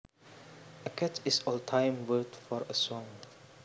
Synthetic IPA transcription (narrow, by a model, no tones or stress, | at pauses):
əkʰɛtʰisɔltʰãjmwətfɔɹəsɔ̃ŋ